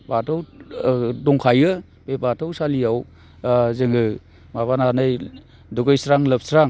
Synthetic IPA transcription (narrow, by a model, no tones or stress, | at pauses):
batʰɯw | dɔŋkʰajɯ | bebatʰɯwsalijaw | zɯŋɯ | maβananɯj | duɡɯjsɾaŋlɯp̚sɾaŋ